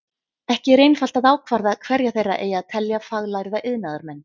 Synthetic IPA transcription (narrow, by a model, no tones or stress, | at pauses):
ɛhcɪɾejnfal̥t̪aðaːwkʰvaɾðakʰv̥ɛɾjaθejrːa̰ʔeːjaðt̪ʰɛljafaɣlajɾðaʔɪðnaðaɾmɛnː